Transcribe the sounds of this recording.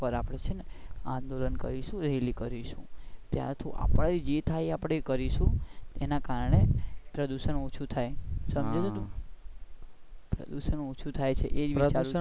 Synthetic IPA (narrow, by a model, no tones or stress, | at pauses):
pəɾapəɽet͡ʃʰeneãnd̪olənkə̰ɾiʃũɾɛlikəɾiʃũt̪ja̰ɾt̪ʰoʔa̰pəɽ̃id͡ʒet̪ʰajeapɽ̃ekəɾiʃũenakaɾəɳepɾəd̪uʃənot͡ʃʰut̪ʰajsəmd͡ʒed͡ʒ̪ot̪ũ | pɾə̰d̪uʃənot͡ʃʰut̪ʰajt͡ʃʰeʔed͡ʒʋit͡ʃaɾ